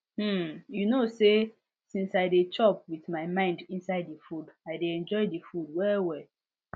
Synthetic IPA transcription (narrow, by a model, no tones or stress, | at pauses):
junose | sĩnsaɪdet͡ʃɔpwiθmaɪmãɪ̃ndĩnsaɪdːifudaɪdeɛ̃nd͡ʒɔɪdefud̚wɛwɛl